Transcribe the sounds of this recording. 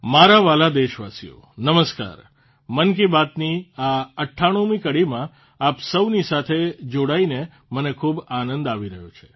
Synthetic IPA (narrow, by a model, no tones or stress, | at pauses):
maɾaʋalad̪eʃʋa̰sḭjo̰ | nəməska̰ːɾ | mənk̬ibat̪niaəʈʰːaɽ̃ũmikəɽimã | apsəʋnisat̪ʰed͡ʒoɽaine | mənekʰubanənd̪aʋiɾəɦjot͡ʃʰe̥